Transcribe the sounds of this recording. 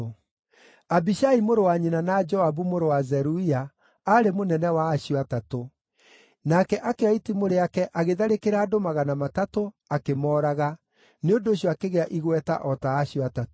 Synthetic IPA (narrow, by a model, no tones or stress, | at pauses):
abiʃaimoɾowaɲinanad͡ʒɔabumoɾowazɛɾuia | aɾemonɛnɛwaːɕiatato | nakɛʔakeaitimoɾeakɛʔaɣeðaɾekeɾaːdomaɣanamatato | akemɔːɾaɣa | neondoːɕjɔakeɣeaʔiɣwɛta̰ʔɔtaːɕiɔatat